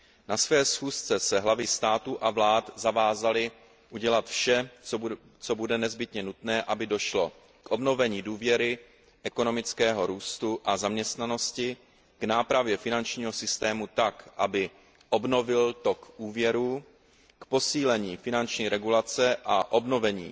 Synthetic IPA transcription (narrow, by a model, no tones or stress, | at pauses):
nasvɛːsxuːst͡sɛsɛɦlavɪst̪aːt̪uʔavlaːt̪zavaːzalɪ | ʔuɟɛlat̪fʃɛ | t͡sobudɛnɛzbɪt̪ɲɛnut̪nɛːʔabɪdo̞ʃlo̞ | kʔo̞bno̞vɛɲiːduːvjɛɾɪ | ʔɛkono̞mɪt͡skɛːɦo̞ɾuːst̪uʔazamɲɛst̪nano̞scɪ | ɡ̥naːpɾavjɛfɪnant͡ʃɲiːɦo̞sɪst̪ɛːmut̪akʔabɪ | ʔo̞bno̞vɪlt̪o̞kʔuːvjɛɾuː | kpo̞siːlɛɲiːfɪnant͡ʃɲiːɾɛɡulat͡sɛʔaʔo̞bno̞vɛɲḭː